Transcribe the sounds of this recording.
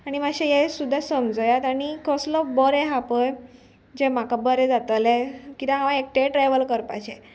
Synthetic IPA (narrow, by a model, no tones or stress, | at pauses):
aɽ̃imaɕejesud̪ʱːasəmd͡zəjat̪aɽikəslɔbɔɾɛɦapəj | d͡ʑem̤akabəɾɛ̃d͡zat̪əlekit̪ãɦãʋãek̚ʈeʈɾaʋəlkəɾpa̰t͡ɕe